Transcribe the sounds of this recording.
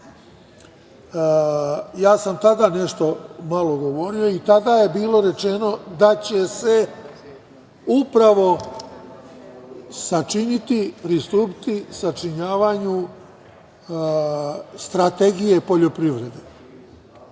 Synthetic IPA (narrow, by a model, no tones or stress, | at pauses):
jaːsamt̪ad̪ane̞ʃt̪o̞malo̞ɡo̞ʋo̞ɾio̞it̪ad̪aje̞biːlo̞ɾe̞t͡ʃeno̞d̪at͡ɕe̞se̞ | upɾaʋo̞ | sat͡ʃinit̪ipɾist̪uːpi̥t̪isat͡ʃiɲaːʋaɲu | st̪ɾat̪eɡije̞po̞ʎo̞pɾiʋɾe̞d̪e